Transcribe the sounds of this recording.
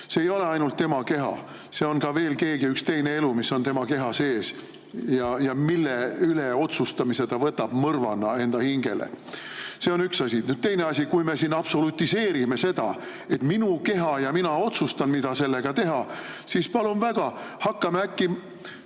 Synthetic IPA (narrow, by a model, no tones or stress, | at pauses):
seejo̞le̞ɑjnult̪ːe̞mɑke̞ɦɑ̰ | se̞o̞nkɑve̞ːlke̞ːɡiykst̪e̞jne̞e̞lumiso̞nt̪e̞mɑke̞ɦɑse̞ːs | jɑjɑmilːeyleo̞t̪sust̪ɑmise̞t̪ɑvɤt̪ːɑb̥mɤrvɑnːɑe̞nd̪̥ɑhiŋɡ̥e̞̰lḛ | se̞o̞nyksɑsʲinyd̪̥̚t̪e̞jne̞ɑsʲikujme̞sinɑb̥so̞lut̪ːise̞ːɾime̞se̞d̪̥ɑ̰ | e̞t̪minuke̞ɦɑjɑminɑo̞t̪sust̪ɑnmid̪̥ɑselːe̞ɡ̥ɑt̪e̞ɦɑ | sispɑlumvæɡ̥ɑhɑkːɑmeækːi